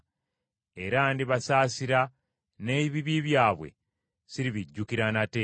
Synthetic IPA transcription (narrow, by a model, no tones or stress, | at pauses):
e̞ɾandiβasaːsiɾa | neβiβiβjaːβwḛ | siɾiβiɟːukiɾanate